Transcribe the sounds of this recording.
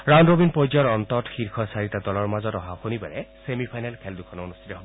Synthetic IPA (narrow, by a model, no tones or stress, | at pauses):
ɹanɹobinpɔjd͡ʒɔɹɔntɔtxiɹkʰɔsaɹitadɔlɔɹmazɔtɔɦaxonibaɹɛsemipʰajnɛlkʰɛldukʰɔnɔonustʰitɔɦobɔ